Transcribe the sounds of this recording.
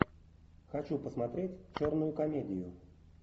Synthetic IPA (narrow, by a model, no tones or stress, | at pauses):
xɐt͡ɕupəsmɐt̪ɾʲetʲt͡ɕornʊjʊkɐmʲedʲɪjʊ